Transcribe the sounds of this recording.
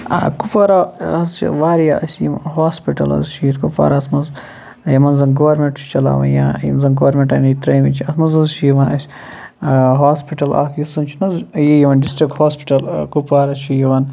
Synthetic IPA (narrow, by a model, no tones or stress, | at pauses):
a̰kupɐɾaɐzt͡ʃʰḭʋaːɾjaʔɐsʲjim̰nɦaːspiʈɐ̰lɐ̰zʃiːɾkupa̰ːɾasmɐz | jɐmɐnzɐnɡoʋɐɾmeɳʈt͡ʃʰt͡ʃɐla̰ːʋɐ̰nja̰ːjḭmzɐnɡoʋɐɾmʲeɳʈɐnit̪ɾɐjmit͡ʃʰiɐsmɐzɐzʃʰijiʋɐnɐsʲ | ɦaːspiʈɐla̰ːkʰjisɐnt͡ʃʰnɐzjijiʋɐnɖisʈɾik̚ʈhoːspi̥ʈɐlkupaːɾɐt͡ʃʰijiʋɐn